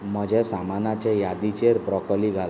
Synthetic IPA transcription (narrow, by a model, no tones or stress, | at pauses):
mɔd͡ʒesamanat͡ʃejad̪it͡ʃeɾpɾɔkɔliɡʱal